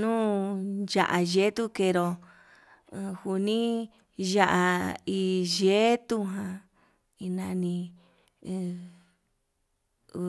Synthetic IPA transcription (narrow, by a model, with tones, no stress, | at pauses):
nũː˦ʒa̰˧ʔa˧ʒe˦t̪u˦ke˧˨ɾo˧ | hu˧nĩ˦ | ʒa˧ʔa˧i˧ʒe˦t̪u˦ɦã˧ | i˧nã˧nĩ˧